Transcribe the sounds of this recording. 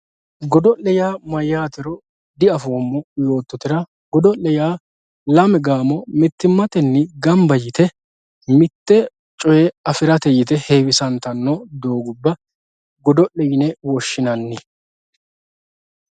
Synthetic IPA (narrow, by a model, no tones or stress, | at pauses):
ɡɔd̪ɔlːɛjaːmɐjːaːt̪ɛɾɔ | d̪ɪɐfoːmːɔjo̞ːt̪ːɔt̪ɪɾɐ | ɡɔd̪ɔlɛjaː | lɐmɛɡaːmɔmɪt̪ːɪmːɐt̪ɛnːɪɡɐmbɐjɪt̪ɛ | mɪt̪ːɛ | t͡ʃʼɔjɛɐfɪɾɐt̪ɛjɪt̪ɛheːwɪsɐnt̪ɐnːɔd̪o̞ːɡʊbːɐ | ɡɔd̪ɔʔɛjɪnɛwɔʃːɪnɐnːɪ